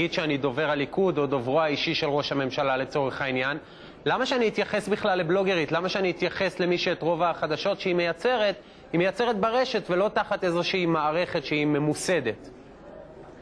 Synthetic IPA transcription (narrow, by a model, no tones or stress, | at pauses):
id̪ʃeanido̞ve̞ʁalikudo̞dovʁoaiʃiʃe̞lʁo̞ʃhame̞mʃalale̞t͡so̞ʁe̞χainjan | lamaʃeanihit̪jaχe̞sbiχlalːeblo̞ɡe̞ʁitlamaʃeaniit̪jaχe̞sle̞miʃue̞tʁo̞vaːχad̪aʃo̞tʃeime̞jat͡se̞ʁe̞t | himejat͡se̞ʁet̚baʁe̞ʃe̞tvelo̞taχat̪e̞zo̞ʃeimaːʁe̞χe̞tʃeime̞muse̞d̪e̞t